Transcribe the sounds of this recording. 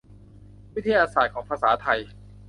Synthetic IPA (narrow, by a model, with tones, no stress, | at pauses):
wi˦˥t̪ʰa˧jaː˧saː˨˩t̪̚kʰɔː˩˦ŋpʰaː˧saː˩˦t̪ʰa˧j